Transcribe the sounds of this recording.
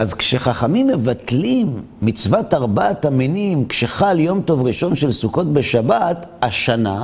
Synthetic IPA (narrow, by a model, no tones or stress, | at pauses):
ʔazkʃeχaχamimːe̞vatlimː | it͡svataʁbataminimkʃeχaljo̞mto̞vʁiʃo̞nʃe̞lsuko̞tbeʃabataʃana